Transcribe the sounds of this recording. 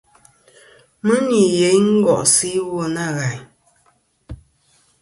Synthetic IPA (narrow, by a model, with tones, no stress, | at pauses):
mə˦ŋi˨je˨˦jŋ̩˦ɡɔ̰˨ʔsi˦wɔ˦˨na˦˨ɣa˨ɲ